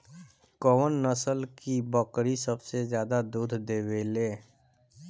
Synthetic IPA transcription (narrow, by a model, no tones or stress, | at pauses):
koːʋənːəsəlkibəkɾisəbsezjaːd̪ad̪uːd̪ʱd̪eːweːleː